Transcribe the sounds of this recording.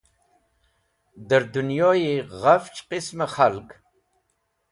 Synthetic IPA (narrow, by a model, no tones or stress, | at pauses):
d̪əɾd̪unjojeʁaft͡ʃqɪsmaχalkʼ